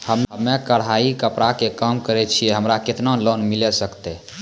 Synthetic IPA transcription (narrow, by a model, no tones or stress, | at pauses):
həməmːekəɽɦaikəpɾakekəmkəɾɛt͡ʃʰiɛɦəmɾaket̪nalonmilɛsəkt̪ɛ